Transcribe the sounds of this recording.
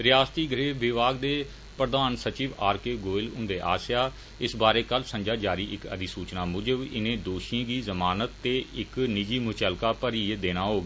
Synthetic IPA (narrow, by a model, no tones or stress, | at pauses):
ɾɪjaːst̪iːɡʱəɾeːʋɪʋaːɡd̪eː | pɾəd̪aːnsət͡ʃiːʋaːɾkeːɡoːɪlʊ̰̃nd̪eːʔa̰ːsjaː | ɪsbaːɾeːkəlsə̃ɲd͡ʒaːd͡ʒaːɾiːʔɪkə̰d̪iːsuːt͡ʃnaːmʊd͡ʒəʋɪnẽːd̪oːʃijãːɡiːzəmaːnət̪ːeːɪknɪd͡ʒiːmʊt͡ʃəlkaːpəɾiːd̪eːɽ̃aːɦoːɡiː